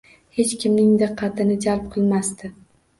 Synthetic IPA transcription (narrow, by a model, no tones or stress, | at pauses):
he̞t͡ʃkʲɪmnɪŋd̪ɨqʰːɑt̪ʰɪnɪd͡ʒalp̚qʰɨlˠmast̪ɪ